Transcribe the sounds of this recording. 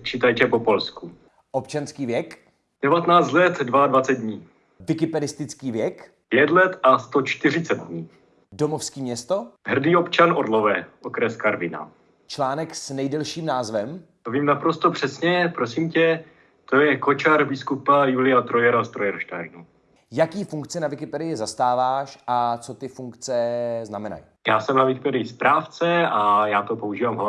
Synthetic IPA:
t͡ʃiːt̪ajtɛpopo̞lsku | ʔopt͡ʃanskiːvjɛk | d̥ɛvat̪ɛnaːt͡st̪lɛt̪dvaadvat͡sɛd̪̚dɲiː | vɪkɪpɛdɪst̪ɪt͡skiːvjɛk | pjɛt̪lɛt̪ast̪ot͡ʃt̪ɪr̝ɪt͡sɛt̪̚dɲiː | domofskiːmɲɛst̪oɦr̩diːopt͡ʃanoɾlovɛːʔokɾɛskaɾvɪna̰ | t͡ʃlaːnɛksnɛjdɛlʃiːmnaːzvɛmt̪oviːmnapɾost̪opr̝̥ɛsɲɛpɾosiːmcɛ | t̪o̞jɛkot͡ʃaɾbɪskupajulɪjat̪ɾojɛɾost̪ɾojɛɾʃt̪aːɾnu | jakiːfuŋkt͡sɛnavɪkɪpɛdɪjɪzast̪aːvaːʃʔat͡sot̪ɪfuŋkt͡sɛznamɛna̰j | jaːsɛmnavɪkɪpɛdɪjɪspɾaːft͡sɛajaːt̪opouʒiːvaːmɦ

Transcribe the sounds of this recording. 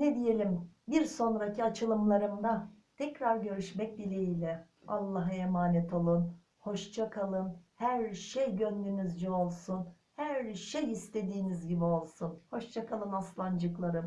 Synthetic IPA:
ned̪ije̞lʲimbiɾso̞nɾacʰiat͡ʃʰɯlˠɯmlˠaɾɯmd̪a | t̪ʰɛcɾaɾɟø̞ɾyʃmɛc̚bilʲeilʲɛ | alˠːaɦaemaːnɛt̪ʰo̞lˠun | ho̞ʃt͡ʃʰakʰalˠɯnhæɾʃejɟønd̪ynyzd͡ʒɛo̞lˠsun | hæɾʃejist̪ʰe̞d̪iːnizɟibio̞lˠsunho̞ʃt͡ʃʰakʰalˠɯnaslˠand͡ʒɯklˠaɾɯm

